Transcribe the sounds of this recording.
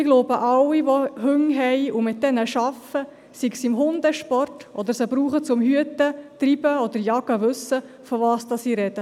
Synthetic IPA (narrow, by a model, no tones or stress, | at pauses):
ɪɡ̥loːbəʔɑwiʋɔhʏŋɦɛɪʊmɪt̚d̥ɛnəʃɑfə | siɡsɪmɦʊnd̪əʃpɔrtʔɔd̪əɾsəbɾuːχət͡sʊmhyətət̪ɾibəɔd̥̪əɾjɑɡəʋɵsə | fɔvɑːsd̥ɑsiːɾɛd̥ə